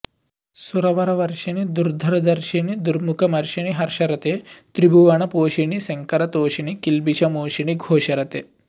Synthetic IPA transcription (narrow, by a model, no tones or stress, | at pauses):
suɾɐʋɐɾɐʋɐɾʂɐnid̪uɾd̪ʱɐɾɐd̪ɐɾʃinid̪uɾmukʰɐmɐɾʃɐñiɦɐɾʃɐɾɐt̪et̪ɾibuʋɐɳɐpoːʃiɳisɐŋkɐɾɐt̪oːʃinikilbiʃɐmoːʃiñiɡʱoːʃɐɾɐt̪e